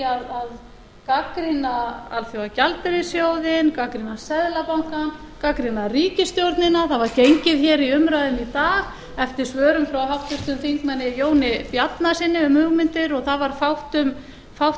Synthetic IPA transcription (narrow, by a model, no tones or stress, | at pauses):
aðað | kakɾɪnaa̰lθjowacalt̪ɪɾɪsjowðɪnkakɾinasɛðlapawŋkan | kakɾɪnariːcɪst̪jowɾt̪nɪnaθavaɾcejɲcɪðçɛɾiʏmɾaðʏmit̪aːɣ | ɛft̪ɪɾ̥svœːɾʏmfɾawɦawht̪ɪɾ̥t̪ʏmθiŋkmanːɪjoːwnɪpjat̪nasɪnːɪʏmhʏɣmɪnt̪ɪɾɔɣθavaɾ̥fawht̪ʏm | fawh